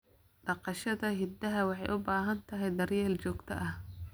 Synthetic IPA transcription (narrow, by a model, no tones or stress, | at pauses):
ɖɑqɑʃɐðɐɦɪd̪ɐɦɐwɑħɑjʔʊbaːɦɐnt̪ʰɐɦɛjd̪ɐrjɛːlt͡ʃɔːɡt̪ʰɐʔɐh